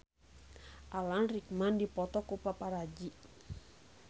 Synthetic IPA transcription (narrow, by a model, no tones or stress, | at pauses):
ʔalanrik̚mandipɔt̪ɔkupapaɾad͡ʒiʔ